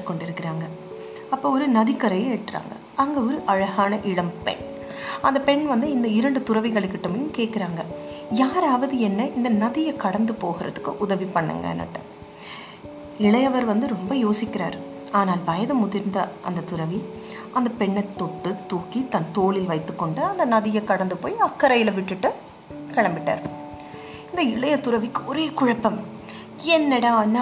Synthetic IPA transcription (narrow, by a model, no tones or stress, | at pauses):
kːɔɳɖɪɾɯkːɪɾaːŋɡɐ | ɐpːoɔɾɯnɐðɪkːɐɾɐjɐeʈʈːɾa̰ːŋɡɐ̰ | ɐŋɡeɔɾɯʔɐɻɐɣaːnɐʔɪɽɐmpɛ̰ɳ | ɐnd̪ɐpɛɳʋɐnd̪ɯɪnd̪ɐɪɾɐɳɖɯt̪ʊɾɐʋɪɣɐɭɪk̬ːɪʈːɐmejɯmkeːʈ̚kɪɾaːŋɡɐjaːɾaːʋɐðɯɛnːɐʔɪnd̪ɐnɐðɪjɐkɐɽɐnd̪ɯpoːɣɪɾɐ̰ðɯkːɯʔʊðɐʋipːɐɳːɐ̰ŋɡɐ̰nːɐ̰ʈːɐ̰m | ɪɭɐjɐʋɐɾʋɐnd̪ɯɾɔmbɐjoːsɪkːɪɾa̰ːɾ | aːnaːlbɐjɐðɐmʊðɪɾnd̪ɐʔɐ̰nd̪ɐt̪ʊɾɐʋi | ɐnd̪ɐpɛɳːɐt̪ːɔʈːɯt̪uːkːit̪ɐnt̪oːɭɪlʋɐɪt̪ːɯkːɔɳɖɯɐnd̪ɐnɐðɪjɐkɐɽɐnd̪ɯpo̰ːjɐkːɐɾɐjɪlɐʋɪʈːɯʈːɯ | kɐɻɐmbɪʈːa̰ːɾ | ɪnd̪ɐɪɭɐjɐt̪ʊɾɐʋɪkːɯɔɾeːkʊɻɐpːɐm | ɛnːɛɽãna